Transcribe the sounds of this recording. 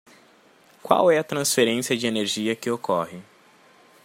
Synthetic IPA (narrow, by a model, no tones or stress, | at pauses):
kwa̰wɛɐt̪ɾɐ̃sfeɾẽsiɐd͡ʒɪeneɾʒiɐkɪokɔhɪ